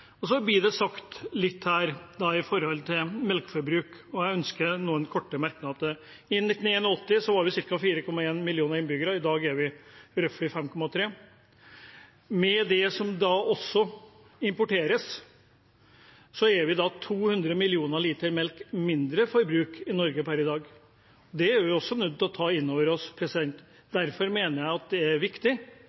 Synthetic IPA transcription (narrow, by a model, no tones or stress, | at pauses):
ɔsɔblɪd̪ɛsɑkt̪lɪt̪ːhæːɾd̪ɑɪfɔɾhɔlt̪ʰɪmɛlkfɔɾbɾʉːkɔjæɪœnskənuːənkʰɔʈːəmæɾknɑd̪ə | ɪnɪt̪ːn̩eːnɔɔt̪ːɪsɔhɑɾʋɪsɪɾkɑfiːɾəkʰɔmːɑeːnmɪlɪuːnəɾɪnbʏɡəɾɑɪd̪ɑːɡæɾʋɪɾœflɪfɛmkʰɔmɑt̪ʰɾeː | mɛd̪ɛsɔmd̪ɑʔɔsːɔ | ɪmpʊʈeːɾəs | sɔæɾʋɪd̪ɑt̪ʰuːhʉnd̪ɾəmɪlɪuːnəɭiːt̪əɾmɛlkmɪnd̪ɾəfɔɾbɾʉːkɪnɔɾɡəpʰæɾɪd̪ɑːɡ | ɔd̪ɛæɾʋɪɔsːɔnʉd̪̚ɔt̪ʰɑːɪnːoːʋəɾɔspʰɾɛsɪd̪ɛnt̪ | d̪æɾfɔɾmeːnəɾjæɪɑt̪̚d̪ɛæɾʋɪkt̪ɪ